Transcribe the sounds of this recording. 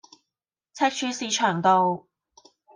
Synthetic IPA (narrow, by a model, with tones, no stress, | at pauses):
t͡sʰɐ˥t̚t͡ʃʰyː˧siː˧t͡ʃʰœː˨˩ŋt̪o˨w